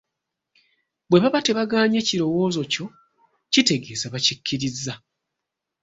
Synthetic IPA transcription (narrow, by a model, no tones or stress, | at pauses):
bwe̞βaβate̞βaɡaːɲe̞ciɾo̞wo̞ːzo̞co̞ | cite̞ɡe̞ːzaβacikʰːiɾizːa